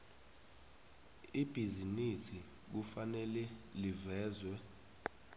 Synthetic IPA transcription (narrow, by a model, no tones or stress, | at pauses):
ib̥ʱizinisi | k̬ufanɛlɛlivɛːzwɛ